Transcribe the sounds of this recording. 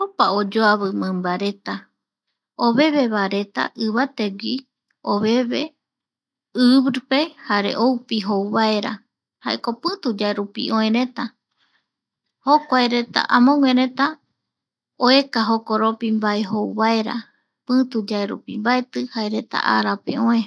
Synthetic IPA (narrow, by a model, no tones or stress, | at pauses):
opaod͡ʒoaβɨmɨ̃mbaɾe̞t̪a | oβe̞βe̞βaɾet̪a̰ʔɨβat̪eɡʷi | oβe̞βe | ɨβɾɨpe̞haɾe̞̰ʔowpiɦowβae̞ɾa̰ | ha̰ḛko̞pɨ̃t̪ud͡ʒaeɾupḭʔõẽɾe̞t̪a | hokʷaeɾe̞t̪a̰ʔamõŋʷeɾẽ̞t̪a | oe̞kaɦokoɾopimbaeɦowβaeɾa̰ | pɨ̃t̪ud͡ʒaeɾṵpimbaet̪ɨhaeɾe̞t̪a̰ʔa̰ɾapḛõẽ